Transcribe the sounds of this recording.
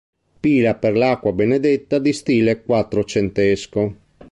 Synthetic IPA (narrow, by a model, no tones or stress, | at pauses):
piːlaperlakːwabened̪et̪ːad̪ist̪iːlekwat̪ːɾot͡ʃent̪esko